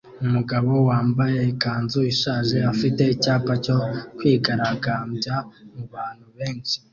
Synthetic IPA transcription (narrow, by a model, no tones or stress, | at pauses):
umuɡaβo̞waːmbaje̞kaːnzuiʃaːʒe̞afite̞icaːpaco̞kwiːɡaɾaɡaːmbjamuβaːn̥huβe̞ːnt͡ʃi̥